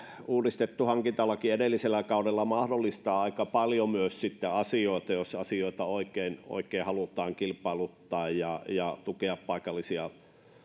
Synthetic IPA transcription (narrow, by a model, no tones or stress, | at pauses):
uːrist̪et̪ːuhɑŋkint̪ɑlːɑkiedelːiselːˑækɑˑudelːɑmɑhdolːˑist̪ɑːɑˑikɑpɑljomyøssit̪ːeɑsioˑet̪ɑjosɑsioˑit̪ɑoˑikeˑino̰ikˑeːhɑlut̪ˑɑːŋkilpɑˑilut̪ːɑːjjɑjɑt̪ukeɑppɑˑikɑlːisiɑ